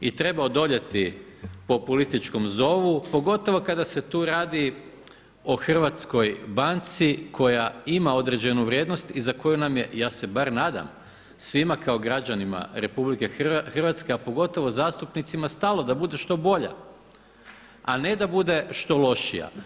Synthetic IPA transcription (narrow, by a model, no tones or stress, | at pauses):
it̪ɾe̞baod̪o̞ʎe̞t̪ipo̞pulist̪it͡ʃko̞mzo̞ʋupo̞ɡo̞t̪o̞ʋo̞kad̪ase̞t̪uːɾaːd̪i | oxr̩ʋat̪sko̞jbant̪sikʰo̞jaimao̞d̪ɾe̞d͡ʑe̞nuʋɾjeːd̪nost̪izako̞junamje̞jaːse̞baɾnaːd̪a̰m | sʋimakao̞ɡɾad͡ʑanima̰ɾe̞publike̞xrʋat̪skeapo̞ɡo̞t̪o̞ʋo̞zaːst̪upnit̪simast̪aːlˠo̞d̪abud̪e̞ʃt̪o̞bo̞ʎa̰ | ane̞d̪abud̪e̞ʃt̪o̞lo̞ʃija̰